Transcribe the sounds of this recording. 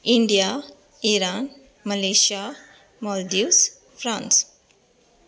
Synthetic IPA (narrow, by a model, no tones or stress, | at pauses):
iɳɖija | iɾan | məleʃia | mɔlɖis | fɾãns